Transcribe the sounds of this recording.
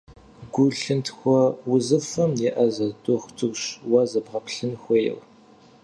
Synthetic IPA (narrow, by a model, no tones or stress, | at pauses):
ɡʷʊɬɨntʰxʷɔwʊzɨfɐmjɛʔɐzɐdʊχʷtʰɨrʷɕwɐzɐbʁɐpʰɬɨnxʷɔjɛ̰w